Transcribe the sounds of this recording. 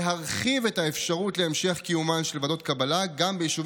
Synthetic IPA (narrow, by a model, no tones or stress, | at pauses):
ɦaʁχivetaefʃaʁutleemʃe̞χkijumanʃelvado̞tkabalaɡambejiʃuv